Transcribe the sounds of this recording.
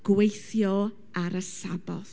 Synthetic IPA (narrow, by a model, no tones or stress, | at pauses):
ɡ̥wejθjɔ | aɾəsabɔθ